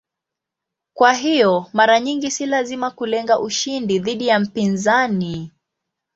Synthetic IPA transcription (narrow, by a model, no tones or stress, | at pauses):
kwaɦijɔmaɾaɲiŋɡisilazimakulɛŋɡaʔuʃindiðiɗijam̩pinzani